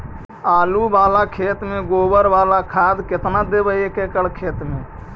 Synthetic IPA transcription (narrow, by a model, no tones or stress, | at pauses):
aːlubaːlakʰeːt̪mẽɡoːbəɾʋaːlakʰaːd̪kɪt̪nad̪ebəekekəɽkʰeːt̪mẽ